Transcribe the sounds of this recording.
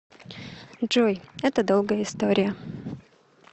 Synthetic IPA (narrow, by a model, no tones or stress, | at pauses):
ʐojɛt̪əd̪olˠɡəjəɪst̪oɾʲɪjə